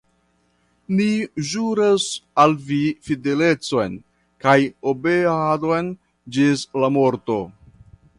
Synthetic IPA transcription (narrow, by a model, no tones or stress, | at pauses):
niʒuɾasalvifide̞le̞t͡so̞jn | kajobeaado̞jn | d͡ʒislamo̞ɾto̞